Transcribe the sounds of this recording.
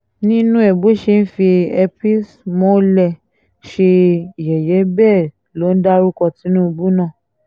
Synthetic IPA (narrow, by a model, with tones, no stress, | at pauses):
nĩ˦nũ˦ɛ˨bo˨˦ʃe˧n̩˦fi˧ɛ˧pi˦smɔ̃˦lɛ˧˨ | ʃe˧i˨jɛ˨jɛ˨˦bɛː˦˨ | lo˨˦n̩˦da˦ɾu˦kɔ˧ti˨˦nũ˦˧bu˦nã˦˨